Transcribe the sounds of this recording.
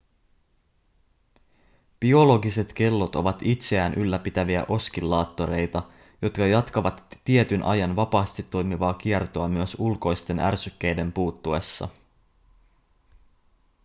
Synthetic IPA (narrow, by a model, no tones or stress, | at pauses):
b̥io̞lo̞ɡise̞t̪k̟e̞lːo̞t̪o̞̰ʋɑt̪it̪se̞æːnʔylːæpit̪æʋiæ̰ʔo̞skilːɑːt̪ːo̞ɾe̞jt̪ɑ | jo̞t̪kɑjɑt̪kɑʋɑt̪ːie̞t̪ynʔɑ̰jɑnʋɑpɑːst̪it̪ːo̞jmiʋɑːk̟ie̞rt̪o̞ɑmyøsulko̞jst̪e̞nʔæ̰rsykːe̞jde̞mpuːt̪ːue̞sːɑ̰